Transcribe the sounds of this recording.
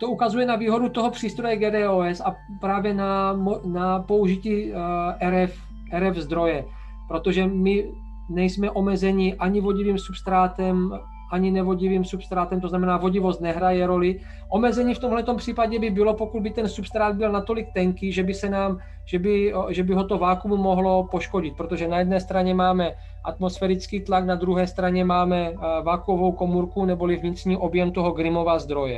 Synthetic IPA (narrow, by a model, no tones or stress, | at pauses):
t̪oukazujɛnaviːɦo̞dut̪o̞ɦopr̝̥iːst̪ɾo̞jɛɡɛːdɛːoːɛsa | pɾaːvjɛnamonapo̞uʒiciːʔɛɾɛf | ʔɛɾɛvzd̪ɾo̞jɛ | pɾo̞t̪oʒɛmɪ | nɛjsmɛʔo̞mɛzɛɲiʔaɲivo̞ɟiviːmsupst̪ɾaːt̪ɛm | ʔaɲɪnɛvo̞ɟiviːmsupst̪ɾaːt̪ɛmt̪oznamɛnaːvo̞ɟivost̪nɛɦɾajɛɾo̞lɪ | ʔomɛzɛɲiːft̪omɦlɛt̪o̞mpr̥iːpaɟɛbɪbɪlo̞po̞kud̪̚bɪt̪ɛnsupst̪ɾaːd̪̚bɪlnat̪o̞lɪk̚t̪ɛŋkiːʒɛbɪsɛnaːm | ʒɛbɪʒɛbɪɦo̞t̪ovaːkumumoɦlo̞po̞ʃkoɟɪt̪̚pɾot̪o̞ʒɛnajɛd̪nɛːst̪ɾaɲɛmaːmɛ | ʔat̪mo̞sfɛɾit͡skiːt̪laknad̪ɾuɦɛːst̪ɾaɲɛmaːmɛvaːkuovo̞wkomuɾkunɛbolivɲɪt̪r̥ɲiːʔo̞bjɛmt̪oɦoɡɾɪmo̞vazd̪ɾo̞jɛ